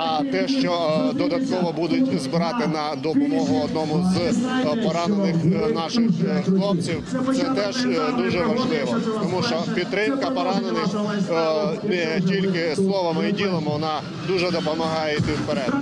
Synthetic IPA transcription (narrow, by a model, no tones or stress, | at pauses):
ɐt̪ɛʃt͡ʃɔd̪ɔd̪ɐt̪̚kɔʋɔbud̪ʊt̚ʲzbɪɾɑt̪ɪnɐd̪ɔpʊmɔɦʊɔd̪nɔmʊzpɔɾɑnenɪxnɑʃɪxxlˠɔp̚t͡sʲiwt̪sɛt̪ɛʒd̪uʒɛʋɐʒlˠɪʋɔt̪ɔmuʃt͡ʃɔpʲid̪̚t̪ːɾɪmkɐpɔɾɑnenɪx | nɛtʲilʲkɪslˠɔʋɐmɪidʲilˠɐmɪʋɔnɑ | d̪uʒɛd̪ɔpɔmɐɦɑjɛit̪ɪwpeɾɛd̪